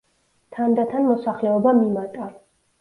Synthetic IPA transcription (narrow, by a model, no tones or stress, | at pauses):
t̪ʰand̪at̪ʰanmɔsaχlɛɔbamimat̪ʼa